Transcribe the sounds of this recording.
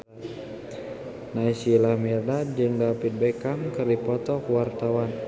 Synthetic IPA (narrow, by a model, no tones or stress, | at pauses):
naisilamirdat̪̚d͡ʒɨŋdapit̪̚bɛkaŋkɨrdipɔt̪ɔkwart̪awan